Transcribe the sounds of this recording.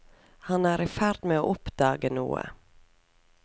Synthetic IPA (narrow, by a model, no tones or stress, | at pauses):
hɑnæːɾɪfæɾd̪meːoːʔʊpd̪ɑːɡənṵːə̰